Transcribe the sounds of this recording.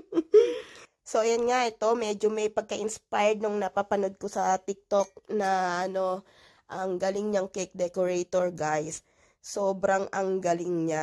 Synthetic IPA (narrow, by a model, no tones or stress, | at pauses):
so̞jɐnŋaʔɛt̪o̞mɛd͡ʒomɐjpɐɡ̚kɐʔɪnspajd̪̚noŋnɐpapɐnod̪̚kosɐt̪ɪk̚t̪ok̚nɐʔɐno̞ | ʔɐŋɡalɪŋɲɐŋkek̚d̪ɛkoɹejt̪oɹɡajsː | oːbɾɐŋʔɐŋɡalɪŋɲa